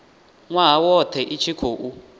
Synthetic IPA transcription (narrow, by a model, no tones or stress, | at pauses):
ŋwaɦawɔtʰɛʔit͡ʃʰikʰoːʔu